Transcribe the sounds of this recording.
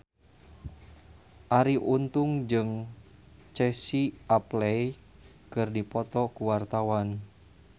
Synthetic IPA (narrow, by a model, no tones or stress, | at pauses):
ʔaɾiʔunt̪uŋd͡ʒɨŋ | t͡ʃɛsiaplɛjkɨrdipɔt̪ɔkuwart̪awan